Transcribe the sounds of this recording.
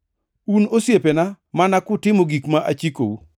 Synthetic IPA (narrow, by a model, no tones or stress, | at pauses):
unosjepena | manakʊtɪmoɡikmaʔat͡ʃiko̰u